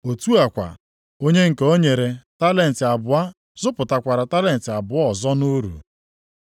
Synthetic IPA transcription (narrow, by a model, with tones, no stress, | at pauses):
o˨tu˦a˨kʷa̰˨ | o˦ɲe˦ŋ̩˨ke˦o˦ɲe˨ɾe˨ta˦le˨n̩˨tɪ˨a˨bʊ˨a˦ | zʊ˦pʊ˨ta˨kʷa˨ɾa˨ta˦le˨n̩˨tɪ˨a˨bʊ˨˦ɔ˦˨zɔ˦no˦ɾṵ˨